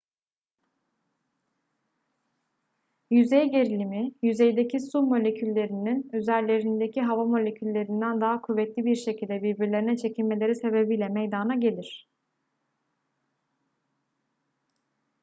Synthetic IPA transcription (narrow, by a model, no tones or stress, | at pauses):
jyzejɟe̞ɾilʲimijyze̞jd̪e̞cʰisumo̞lʲe̞cʰylʲːe̞ɾininøzæɾlʲlʲe̞ɾind̪e̞cʰiɦavamo̞lʲe̞cʰylʲːe̞ɾind̪ænd̪aɦakʰuvːɛt̪lʲibiɾʃe̞cʰilʲd̪ɛbiɾbiɾlʲe̞ɾinɛt͡ʃʰe̞cʰilʲme̞lʲe̞ɾise̞be̞bijlʲɛmejd̪anaɟe̞lʲiɾ̥